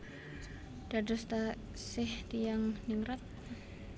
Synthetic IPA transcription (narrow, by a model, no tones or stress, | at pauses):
d̥adɔst̪a | sɪhdijaŋniŋɾat̪̚